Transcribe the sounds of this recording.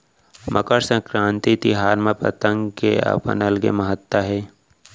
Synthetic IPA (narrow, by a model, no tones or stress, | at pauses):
mʔəkəɾsə̃kɾãːnt̪it̪ɪɦaːɾmẽpə̰t̪ə̃ŋɡkḛɐ̰pə̰nɐlɡḛmɐɦət̪ːaɦɛː